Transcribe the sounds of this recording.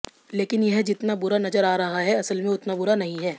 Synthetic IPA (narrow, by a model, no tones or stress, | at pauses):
leːkɪnjɛɦd͡ʒɪt̪nabʊɾanɐzəɾaːɾɐɦaɦɛɐsəlmẽʊt̪nabʊɾanɐɦĩɦɛː